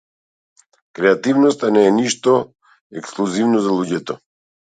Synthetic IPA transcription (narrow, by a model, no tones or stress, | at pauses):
kɾɛat̪ivnɔst̪anɛːniʃt̪ɔ | ɛksklˠuzivnɔzalˠuɟɛt̪ɔ